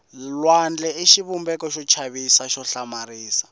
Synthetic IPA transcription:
lwand͡ɮɛeʃiβumbɛkɔʃɔt͡ʃʰaβisaʃɔɬamaɾiːsḁ

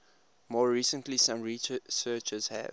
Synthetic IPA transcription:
mɔːɹiːsə̃ntlisãmɹisɜːt͡ʃəz̥hæ̰

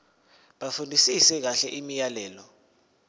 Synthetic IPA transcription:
ɓafundʱisisɛk̬aɬɛʔimijalɛːlɔ

